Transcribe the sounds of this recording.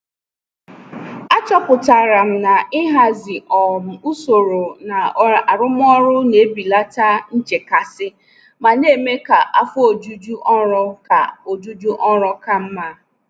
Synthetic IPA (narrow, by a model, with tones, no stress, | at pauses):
a˦t͡ʃɔ˦pʊ˨ta˨ɾa˨m̩˨na˨ɪ˦ɦa˦zɪ˨ʔɔ˨m̩˨u˦so˨ɾo˨na˨˦a˨ɾʊ˦m˦ɔ˦ɾʊ˦ne˨˦bi˨la˦ta˦n̩˦d͡ʒe˨ka˨sɪ˦ | ma˨ne˦˨me˦ka˨ʔa˦fʊ˦o˨d͡ʒu˦d͡ʒu˦ʔɔ˦ɾɔ˦ka̰˨o˨d͡ʒu˦d͡ʒu˦ʔɔ˦ɾɔ˦ka˨m̩˦ma˦